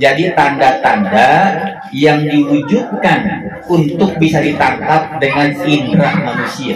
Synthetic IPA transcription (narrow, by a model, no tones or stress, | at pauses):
d͡ʒadit̪andat̪anda | jaŋdiwud͡ʒut̚kan | unt̪ʊk̚bisadit̪ant̪ap̚dəŋaninɾahmanusia